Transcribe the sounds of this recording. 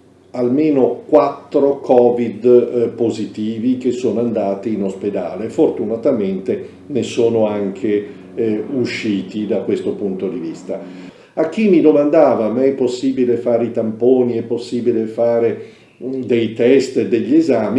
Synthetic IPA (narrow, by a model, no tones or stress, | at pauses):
almeːnokwat̪ːɾokʰɔːvid̪pozit̪iːvik̟esːoːnoand̪aːt̪iːnosped̪a̰ːlefort̪unat̪ament̪e | nesoːnoaŋkʰe | uʃːiːt̪id̪akːwest̪opunt̪od̪ivist̪a | ak̟ːimːid̪omand̪aːvamɛpːosːiːbilefaːɾeit̪ampoːniɛpːosːiːbilefaːɾe | d̪ejt̪ɛst̪ed̪eʎːezaːmi